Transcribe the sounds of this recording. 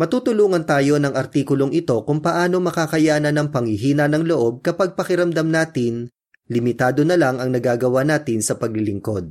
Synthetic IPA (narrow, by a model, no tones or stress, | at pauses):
mɐt̪uːt̪ʊluːŋɐnt̪aːjo̞nɐŋɐɾt̪iːkʊlo̞ŋʔɪt̪o̞kʊŋpɐʔaːno̞mɐkaːkɐjaːnɐnɐŋpɐŋhɪɦiːnɐnɐŋlo̞ʔo̞b̚kɐpɐɡ̚pɐkɪɾɐmd̪ɐmnaːt̪ɪn | lɪmɪt̪aːd̪o̞nɐlaŋɐŋnɐɡaːɡɐwaːnaːt̪ɪnsɐpɐɡ̚lɪlɪŋko̞d̪̚